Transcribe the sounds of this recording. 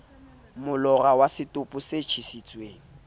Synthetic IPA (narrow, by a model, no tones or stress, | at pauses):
mʊlɔrawasɪtʼʊpʼʊset͡ʃʰisit͡sʼweːŋ̩